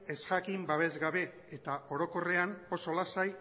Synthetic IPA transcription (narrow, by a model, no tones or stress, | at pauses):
e̞sxakimbaβ̞e̞zɣaβe̞ | et̪aʔo̞ɾo̞ko̞re̞ano̞so̞lasaj